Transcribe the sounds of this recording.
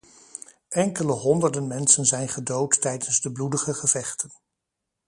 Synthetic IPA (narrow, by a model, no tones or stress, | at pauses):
ʔɛŋkələɦɔndəɹdənmɛnsənzɛjnχədowtːɛjdənzdəbludəχəχəv̥ɛχtən